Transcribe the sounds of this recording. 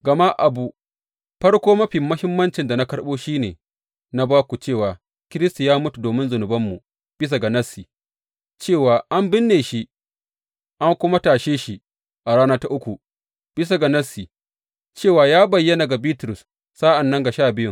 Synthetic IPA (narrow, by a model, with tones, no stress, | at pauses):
ɡɐ˨ma˦ʔa˨bu˨ | ɸɐ˦ɽkʷoː˦mɐ˦ɸi˨mːɐ˦hɪ˦mːɐ˦nt͡ʃɪ˨nda˨na˦kɐ˦ɽɓoː˦ʃiː˦neː˨ | na˦baː˦kʷu˨t͡ʃeː˦˨waː˨ | kʲɪ˦ɾɪ˦sta˨jaː˦mʊ˦tu˨doː˨mɪ˦nzʊ˨nʊ˨bɐ˦mːu˨ | b̥ɪ˦s̬a˨ɡa˨nɐ˦sːi˨ | t͡ʃeː˦˨waː˨ʔa˦mbɪ˦nːeː˨ʃi˦ | ʔa˦ŋkʷʊ˦ma˦taː˨ʃeː˦ʃi˨ʔ | ʔa˨ɽaː˦na˦ta˦ʔʊ˦kʷu˨ | b̥ɪ˦s̬a˨ɡa˨nɐ˦si˨ | t͡ʃeː˦˨waː˨jaː˦bɐ˨jːɐ˦na˨ɡa˨biː˦tɾʊ˨s | sa˦ʔa˨nːɐ˦ŋɡa˨ʃaː˦˨bɪ˦jʊ˦ŋ